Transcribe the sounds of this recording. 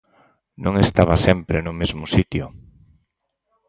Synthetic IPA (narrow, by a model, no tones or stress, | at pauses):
nõŋest̪aβasɛmpɾenʊmezmʊsit̪jʊ